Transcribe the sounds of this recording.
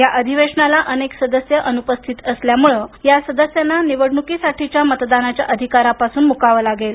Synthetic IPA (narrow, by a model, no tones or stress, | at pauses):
jaʔəd̪ʱiʋeʂɳalaʔəneksəd̪əsjəʔənupəst̪ʰiːt̪əsljamuɭəjasəd̪əsjanːaniʋəɽɳukiːsaʈʰit͡ɕjamət̪d̪anat͡ɕjaʔəd̪ʱikaɾapasuːnmukaʋəːlaɡel